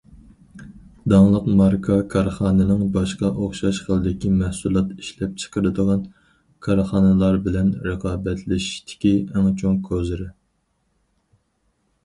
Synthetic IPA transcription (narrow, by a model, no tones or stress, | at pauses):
d̪ɑŋlˠəqmɑɾkʰɑkʰɑɾχɑːnɨnɨŋbɑʃqɑʔoχʃɑʃχəlˠɨd̪ɪkʲimæhsulˠɑt̪i̥ʃlɛp̚t͡ʃʰə̥qəɾɨd̪əʁɑn | kʰɑɾχɑːnɨlˠɑɾbɪlɛnɾəqɑːbɛt̪lɪʃi̥ʃt̪ʰɪ̥kʲiɛŋt͡ʃʰoŋkʰøzɪɾɪ